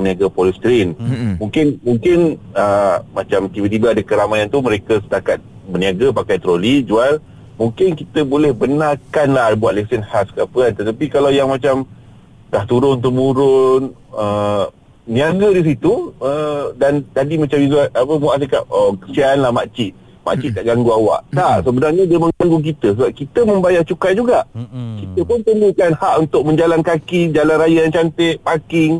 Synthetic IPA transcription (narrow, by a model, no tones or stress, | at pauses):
niaɡapɔlist̪ɾɪnmuŋkɪnmuŋkɪnəmat͡ʃamt̪ibat̪ibaadakəɾamajant̪umə̃ɾekasə̥t̪akat̪̚ | bəniaɡapakajt̪əɾolid͡ʒual | muŋkɪnkit̪əbolɛhbənarkanlahbuat̪̚lesənhaskapəant̪ət̪apikalawjaŋmat͡ʃam | d̪aht̪uɾʊnt̪̬əmũɾʊn | ə | niaɡədis̬it̪uədant̪adimat͡ʃamizualapəmaʔs̬akaʔəkəsiaːnlahmaʔt͡ʃɪʔ̪̚ | ma̰ʔt͡ʃiʔ̪̚d̪aʔɡaŋɡuawa̰ʔt̪aʔsəbənarɲadiəmə̃ŋɡaŋɡuk̬it̪əsəbap̚kit̪əmə̃mbajart͡ʃukajd͡ʒuɡaʔkit̪əpʊnt̪ənɡukanhaʔunt̪ʊk̚mə̃ɲd͡ʒalankakid͡ʒalanrajajant͡ʃant̪ɪʔpakɪŋ